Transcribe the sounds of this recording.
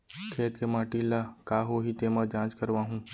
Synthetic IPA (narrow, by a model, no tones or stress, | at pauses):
kʰeːt̪kemaːʈilaːkaːɦoːɦit̪emãd͡ʒãːt͡ʃkəɾʋãːɦũː